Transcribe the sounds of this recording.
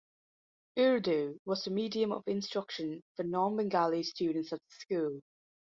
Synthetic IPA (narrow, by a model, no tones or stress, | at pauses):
ʉɹdʉwɒzəmiːdiə̃mə̰vɪ̃nstɹ̥ʌkʃə̃nfənɔːnbə̃ŋɡalˠistʉːdⁿn̩tsəʔðəskuːlˠ